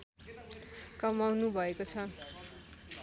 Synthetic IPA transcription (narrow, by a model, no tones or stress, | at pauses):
kʌmawnubʱʌekot͡sʰʌ